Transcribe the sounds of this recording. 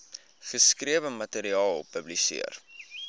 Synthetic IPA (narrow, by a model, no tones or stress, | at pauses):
χəskriəvəmɐteɾiɑːlˠpəblisḭər